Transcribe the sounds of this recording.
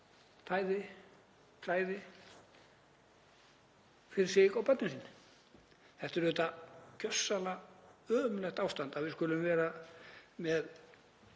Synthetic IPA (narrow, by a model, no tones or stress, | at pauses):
t̪ʰaːjðɪ | fʰlaːjðɪ | fɪɾɪ̥sɪɣawpœt̪nɪsiːnːɪ | θɛht̪ɪɾʏːt̪acœsːalaœːmlɛxt̪aːwst̪ant̪avɪðskʏlʏmvɛːɾa | mɛð